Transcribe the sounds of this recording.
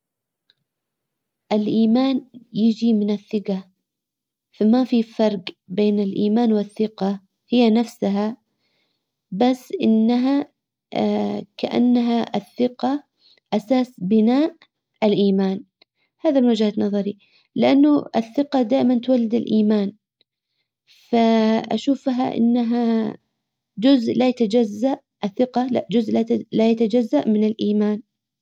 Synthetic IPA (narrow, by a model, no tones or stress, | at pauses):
ʔɪlʔiːmaːnjɪd͡ʒimɪnɪθːɪɡa | famafifɑɾˤq | beːnɪlʔiːmaːnwɪθːɪqɑ | hɪjːanafsaɦa | basːʔɪ̰nːaɦa | kaʔa̰nːaɦaʔɪθːɪqa | ʔasaːsbɪnaːʔ | ɪlʔiːmaːn | haːðabwad͡ʒaːt̪nɑðˤɑɾi | lɪʔanːʊʔɪ̰θːɪqɑd̪aːʔɪmant̪walːɪd̪ɪlʔiːmaːn | faʔa̰ʃuːfɦa̰ʔɪ̰nːaɦa | d͡ʒʊzʔlajat̪ad͡ʒazːaʔ | ʔɪθːɪqɑla̰ʔd͡ʒʊzʔlalajat̪ad͡ʒazːaʔmɪnɪlʔiːmaːn